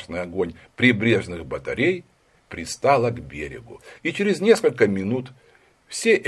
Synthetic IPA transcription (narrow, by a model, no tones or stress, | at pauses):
ʂnɨjɐɡo̞nʲpɾʲɪbɾʲe̞ʐnɨxbət̪ɐ̰ɾʲej | pɾʲɪst̪alˠəɡbʲeɾʲɪ̰ɡʊit͡ɕɪɾʲɪzʲnʲe̞skəlʲkəmʲɪnut̪ | fsʲeʔ